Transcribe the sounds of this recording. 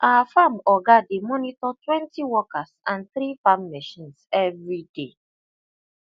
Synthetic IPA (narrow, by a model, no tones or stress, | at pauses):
ʔawafamɔɡademɔnitɔtwɛ̃ntiwɔkasãnθɾifamːɛʃĩnsɛvɹide